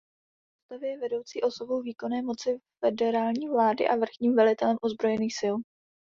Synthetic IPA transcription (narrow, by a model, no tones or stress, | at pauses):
ost̪avɪjɛvɛdo̞wt͡siːʔo̞so̞bo̞wviːko̞nɛːmo̞t͡sɪfɛdɛɾaːlɲiːvlaːdɪ̰ʔavr̩xɲiːmvɛlɪt̪ɛlɛmʔozbɾo̞jɛniːxsɪl